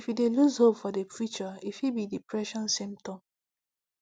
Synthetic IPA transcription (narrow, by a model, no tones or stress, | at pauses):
ifideluzhopfɔdepʰɹit͡ʃɔifibidipɹɛʃɔ̃nsĩmptɔ̃m